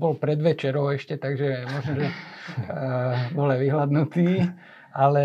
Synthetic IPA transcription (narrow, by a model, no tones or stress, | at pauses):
bɔlpɾɛd̪ʋɛt͡ʃɛɾɔʊɛʃcɛt̪aɡʒɛmɔʒnɔʒɛ | bɔlɛʋiɦlad̪nut̪iː | alɛ